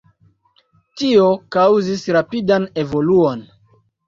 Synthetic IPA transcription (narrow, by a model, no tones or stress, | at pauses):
tio̞kawzisɾapidane̞vo̞luon